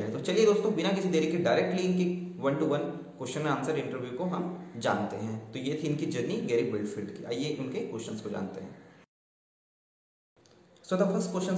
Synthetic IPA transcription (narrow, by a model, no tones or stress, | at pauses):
ɦɛ̃t̪ot͡ʃɐlied̪oːst̪õːbɪnakɪsʰid̪eːɾikeɖaːɪɾeːk̚ʈliɪnkiʋɐnʈuːʋɐn | koːʃənmẽaːnsɐɾɪ̃ɳʈəɾʋjukoɦɐmd͡ʒa̰ːnt̪eɦɛ̃ːt̪ojet̪ʰiɪnkid͡ʒɐɾniɡɛːɾɪɡ̚bɪlɖfʰɪlɖkia̰ːijeʔʊnkeko̰ːʃənskod͡ʒa̰ːnt̪eɦɛ̰̃ː | sʋɐd̪ɐfʰɐskoːʃən